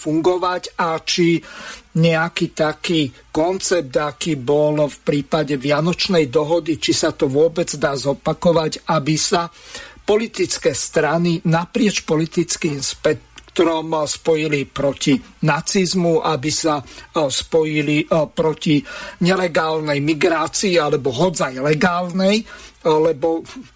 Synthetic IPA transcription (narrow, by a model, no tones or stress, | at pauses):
fuŋɡɔʋaɟat͡ʃiɲɛakiːt̪akiː | kɔnt͡sɛp̚t̪akiːbɔlfpɾiːpaɟɛʋɪanɔt͡ʃnɛjd̪ɔɦɔd̪it͡ʃisat̪ɔʋʊɔbɛd͡zd̪aːzɔpakɔʋaɟabisapɔlit̪it͡skɛːst̪ɾaninapɾɪɛt͡ʃpɔlit̪it͡skiːmspɛkt̪ɾɔmspɔjilipɾɔcinat͡sizmuʔabisaspɔjilipɾɔciɲɛlɛɡaːlnɛjmiɡɾaːt͡siːalɛbɔɦɔd͡zajlɛɡaːlnɛjlɛbɔ